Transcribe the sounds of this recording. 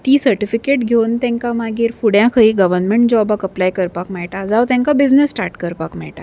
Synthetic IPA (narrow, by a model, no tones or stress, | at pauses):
t̪iːsəɾʈifikeʈɡʱewnt̪ɛ̃ŋkamaɡiːɾfuɽjãkʰəiɡəʋəɾnmeɳʈd͡ʑɔbakəplajkəɾpakmɛɭʈad͡zawt̪ɛ̃ŋkabid͡znesːʈaɾʈkəɾpakmɛ̰ɭʈa̰